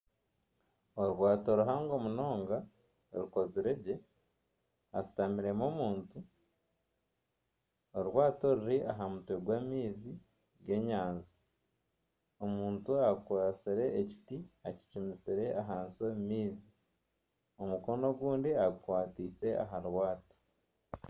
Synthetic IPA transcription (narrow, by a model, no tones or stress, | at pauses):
oɾwaːtoɾuɦaːŋɡo̞muno̞ːŋɡa | ɾuko̞ziɾeɟe̞ | asi̥tamiɾe̞mo̞muːntu | oɾwaːto̞ɾuɾiʔaɦamutweɡwaːmiːzi | ɡe̞ːɲaːnzi | omuːntuakwosiɾe̞ːci̥tiaci̥t͡ʃumisiɾe̞ʔaɦaːnsomimiːzi | omuko̞no̞ɡwuːndiaɡukwaːtiːse̞ʔa̰ɦaɾwaːto̥